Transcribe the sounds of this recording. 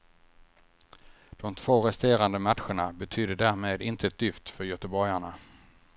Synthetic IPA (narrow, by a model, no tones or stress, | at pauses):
d̪̥ɔmt̪ʰv̥oːɾɛst̪eːɾand̪əmat̪ɧəɳabɛt̪ʰyːd̪əɖ̪æːɾmeːd̪ɪnt̪əɛt̪̚d̪ʏft̪fœɾjœt̪əbɔɾjaɳa